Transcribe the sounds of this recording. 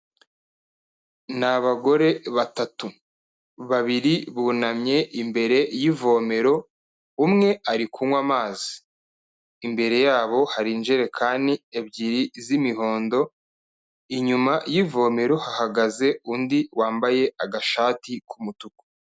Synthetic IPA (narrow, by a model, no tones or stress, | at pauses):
naβaɡo̞ɾe̞βatatu | βaβiɾiβunamɲe̞ʔimbe̞ɾe̞jivo̞me̞ɾo̞ | umŋe̞aɾikʰuŋwamaːzi̥ː | mbe̞ɾe̞jaːβo̞haɾinʒeɾe̞kʰaːndiebɟiɾizimiɦo̞ːndo̞ | iɲumajivo̞ːme̞ɾo̞hahaɡaze̞undiwaːmbaje̞aɡaʃaːtikumutuko̥